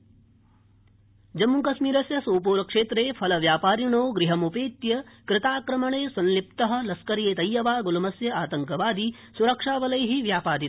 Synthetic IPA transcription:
d͡ʒɐmːukɐsmiːɾɐsjɐsoːpuːɾɐkʂeːt̪ɾeːpʰɐlɐʋjaːpaːɾjɐɳoːɡɾɪɦɐmupeːt̪jɐkɾɪt̪aːkɾɐmɐɳeːsɐ̃nlip̚t̪ɐɦɐ̆lɐskɐɾjeːt̪ɐjːɐʋaːɡulɐmɐsjɐaːt̪ɐŋkɐʋaːd̪i | suɾɐkʂaːʋɐlɐjɐɦiʋjaːpaːd̪it̪

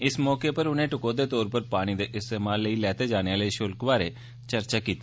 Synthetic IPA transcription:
ɪsmɔːkeːpəɾʊnẽːʈʊkoːd̪eːt̪ɔːɾpəɾpaːɽ̃iːd̪eːʔɪst̪eːmaːlːəiːlɛːt̪eːd͡ʒaːɽ̃eaːləiːʃʊlkʋaːɾeː | t͡ʃəɾt͡ʃaːkiːt̪ːe

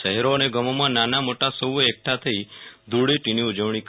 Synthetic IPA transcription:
ʃəɦɛɾoneɡəmomãnanamoʈasəwek̚ʈʰat̪ʰəid̪ʱuɽeʈiniud͡ʒəʋɳ̃ik

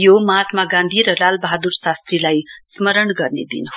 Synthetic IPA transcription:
jomʌɦat̪maɡãnd̪ʱiɾʌlalbʌɦad̪uɾsast̪ɾilajsmʌɾəɳɡʌrnḛd̪ḭnɦ

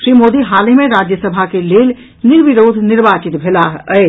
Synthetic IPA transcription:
ʃɾimoːd̪iɦaːlimẽɾad͡ʒjəsəbʱakeleːl | niɾbiɾoːd̪ʱniɾbat͡ʃit̪bʱelaəe

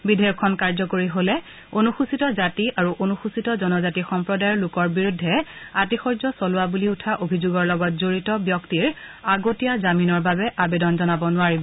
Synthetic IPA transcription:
bidʱɛɹɔkʰːɔnkaɹzɔkoɹiɦolɛ | onuxusitɔzatiʔaɹuʔonuxusitɔzɔnɔzatixɔmpɹɔdajɔlʊkɔɹbiɹudʱːɛatixɔɹzɔsɔlʊwabuliutʰaʔobʱizuɡɔɹlɔɡɔt̚zoɹitɔbjɔktiɹaɡotijazaminɔɹbabɛʔabedɔnzɔnabɔnʊaɹibɔ

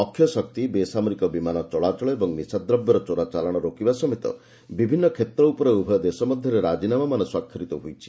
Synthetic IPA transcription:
ɔkʰːjɔsɔkt̪ibesamɔɾikɔbimanɔt͡ʃɔɭat͡ʃɔɭɔebɔŋnisad̪ɾɔbjɔɾɔt͡ʃɔɾat͡ʃalɔɽ̃ɔɾokibasɔmet̪ɔ̰ | bibʱinːɔkʰet̪ɾɔupɔɾeubʱɔjɔd̪esɔmɔd̪ʱjɔɾeɾad͡ʒinamamanɔswakʰːjɔɾit̪ɔɦojt͡ʃʰi̥

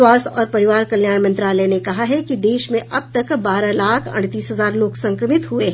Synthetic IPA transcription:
aːsɔːɾpɐɾɪʋaːɾkɐljaːɽmə̃nt̪ɾaːlənekɐɦaɦɛkid̪eːʃmẽʔɐb̚t̪ɐkbaːɾalaːkʰɐ̰ɽ̃t̪iːsɦɐzaːɾloːksɐ̃ŋkɾəmɪt̪ɦueɦ

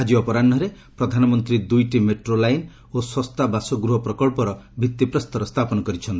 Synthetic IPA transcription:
ad͡ʒiɔpɔɾaɳːɔɾe | pɾɔd̪ʱanɔmɔnt̪ɾid̪ujʈimeʈɾolajn | oswɔst̪ʰabasɔɡɾuɦɔpɾɔkɔɭpɔɾɔbʱit̪ːipɾɔst̪ɔɾɔst̪ʰapɔnɔkɔɾit͡ʃʰɔnt̪i

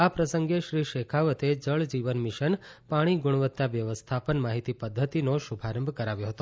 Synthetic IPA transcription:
apɾəsəŋɡeʃɾiʃekʰaʋət̪ed͡ʒəɭd͡ʒiʋənmiʃənpaɽ̃iɡʊɽ̃ʋət̪ːaʋjəʋəst̪ʰapənmaɦit̪ipəd̪ʱːət̪inoʃubʱaɾəmbʱkəɾaʋjoɦət̪o

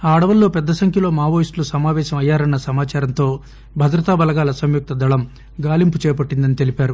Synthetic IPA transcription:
aːɐɽɐʋɐlːoːpɛd̪ːɐsɐŋkʰjɐlo̞ːmaːʋoːjisʈlusɐmaːʋɛːʃɐmɐjːaːɾɐnːɐsɐmaːt͡ʃaːɾɐnt̪o̞ː | bʱɐd̪ɾɐt̪aːbɐlɐɡaːlɐsɐmjuk̚t̪ɐd̪ɐɭɐm | ɡaːlimput͡ʃɛːpɐʈːind̪ɐnit̪e̞lipaːɾu

